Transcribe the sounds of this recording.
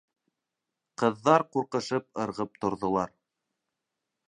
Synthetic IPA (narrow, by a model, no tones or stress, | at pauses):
qɤ̆ðːɑɾquɾqɤ̆ʃɤp̚ɤ̆ɾʁɤp̚t̪ŏɾðŏlˠɑɾ